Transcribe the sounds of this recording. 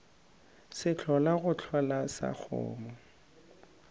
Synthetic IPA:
sɪt͡ɬʰɔlaɣʊt͡ɬʰwalasa̰k͡xʰʊ̰ːmɔ

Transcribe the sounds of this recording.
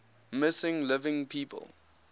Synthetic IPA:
mɪsɪ̃ŋlɪvɪ̃ŋpʰiːpʰə̰lˠ

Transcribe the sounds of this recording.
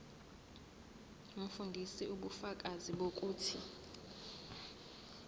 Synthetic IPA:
ŋ̩fundʱisiʔuɓufak̬ʼaziɓok̬ʼuːtʰi

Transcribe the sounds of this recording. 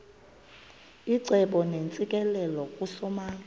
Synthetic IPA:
iǀɛɓɔnent͡sʼikʼɛlɛlɔkʼusɔmaːŋa

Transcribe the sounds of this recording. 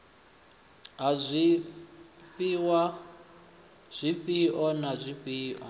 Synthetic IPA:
ɦazʷi | ɸiwa | z̥ʷiɸiʔɔnazʷiɸiːʔɔ̰

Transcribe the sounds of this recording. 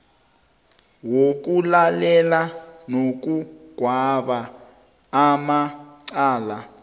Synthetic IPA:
wok̬ulalɛlanok̬uɡ̥ʱwaɓaː | maǀaːla

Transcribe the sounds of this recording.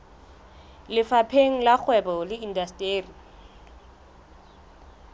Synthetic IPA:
lɪfapʰeŋ̩lak͡xʰwɛbɔlɪindastʼeːri

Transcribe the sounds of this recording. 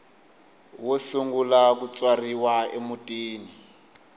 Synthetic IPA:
wosuŋɡulakut͡sʼwariwaemutʼiːni

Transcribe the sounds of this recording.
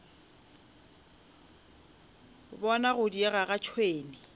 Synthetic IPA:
bɔnaɣʊdieɣaɣat͡ʃʰweːnɪ

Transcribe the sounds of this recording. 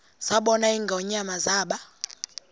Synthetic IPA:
saɓɔnaiŋɡʱaɔɲamazaːɓa

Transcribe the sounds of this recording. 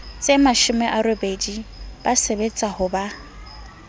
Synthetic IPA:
t͡sʼemaʃʊmɛʔaɾobedib̥asebet͡sʼahʊba

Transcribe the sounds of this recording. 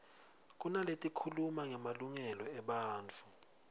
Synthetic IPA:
k̬ʼunaletʼikʰulumaŋɛmaluŋɛlɔɛɓaːnt͡fʰu

